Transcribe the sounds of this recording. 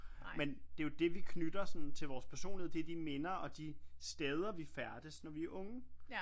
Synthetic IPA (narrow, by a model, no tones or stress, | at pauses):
mend̥e̝jo̝d̥e̝ʋikʰnyd̥ɐsɒ̽n̩t͡sʰe̝lʋɒːspʰæɐso̝̰ːnliheð̰ˠd̥ed̥ime̝nɐɒ̽d̥isd̥eːð̞ˠɐʋifæɐd̥əsnɒʋiæɐʔɔ̽ŋə